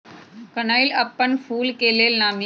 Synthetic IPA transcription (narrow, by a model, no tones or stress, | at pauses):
kɐnaːilɐpːəɳfʰuːlkeːleːlnaːmi